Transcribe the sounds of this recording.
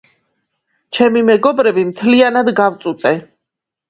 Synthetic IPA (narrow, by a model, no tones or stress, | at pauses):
t͡ʃʰɛmimɛɡɔbɾɛbimt̪ʰlianad̪ɡavt̪sʼut̪sʼɛ